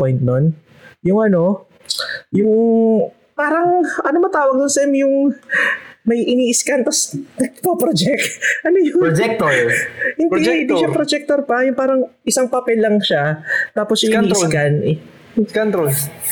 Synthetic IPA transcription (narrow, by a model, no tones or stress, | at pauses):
pojnt̪̚non | jʊŋʔɐno̞ | jʊŋ | paːɾɐŋʔɐnomɐt̪aːwɐɡ̚nʊnsɛmjʊŋ | mɐjʔɪniːʔɪskant̪ɐsnɐpopɾod͡ʒɛk̪̚ʔɐnojʊd͡ʒɛk̚t̪oɾhɪndid͡ʒɪnd̪iʃapɾod͡ʒɛk̚t̪oɾpɐjʊŋpaːɾɐŋʔɪsaŋpɐpɛlːɐŋʃat̪aːposjɪskanʔ | kant̪ɾo